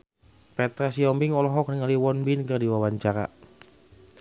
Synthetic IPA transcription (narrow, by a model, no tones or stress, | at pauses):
pɛt̪ɾasiɔmbɪŋɔlɔɦɔk̚nəŋaliwɔnbinkərdiwawaɲt͡ʃaɾa̰